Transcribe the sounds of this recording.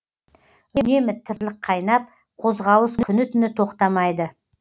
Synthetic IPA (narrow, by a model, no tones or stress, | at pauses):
ne̞mɪt̪ʰːɪɾlɪqʰːɑjnɑp̚ | qʰo̞zʁɑwəsnkʰʏnɪt̪ʏnɪt̪ʰo̞qt̪ɑmɑjd̪ə